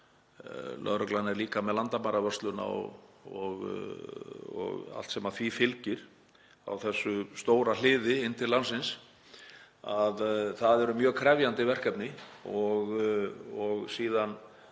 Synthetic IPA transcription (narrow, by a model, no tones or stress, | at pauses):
lʔœ̰ðɾœklanɛɾliːkamɛðlant̪amaɾavœr̥st̪lʏna̰ɔɣ | ɔ̰ɣa̰l̥t̪sɛmaθvifɪlcɪɾ̥ | a̰wθɛsːʏst̪oːwɾalɪːðɪɪnːt̪ʰɪllansɪns | aðθaðɛɾʏmjœːɣkʰɾɛvjant̪ɪvɛr̥kɛpnɪɔɣ | ɔɣsiːðan